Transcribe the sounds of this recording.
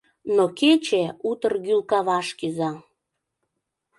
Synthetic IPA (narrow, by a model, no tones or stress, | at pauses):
noket͡ɕeut̪ərɣylkɑβɑʃkyzɑ